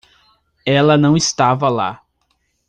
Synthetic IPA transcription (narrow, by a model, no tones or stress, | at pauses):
ɛlɐnɐ̃w̃ɪst̪avɐla̰